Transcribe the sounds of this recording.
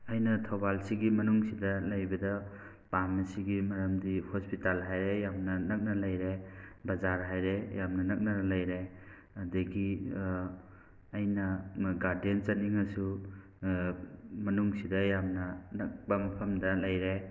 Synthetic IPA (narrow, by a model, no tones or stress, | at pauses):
ɐjnɐtʰowbalsiɡimɐnuŋsidɐlɐjbɐdɐ | pamɐsiɡimɐɾɐmdihospitalɦajɾejamnɐnɐk̚nɐlɐjɾebɐzaɾɦajɾejamnɐnɐk̚nɐnlɐjɾe | ɐdɐɡi | jnɐɡaɾdient͡ʃɐniŋɐsu | mɐnuŋsidɐjamnɐnɐk̚bɐmɐpʰɐmdɐlɐjɾe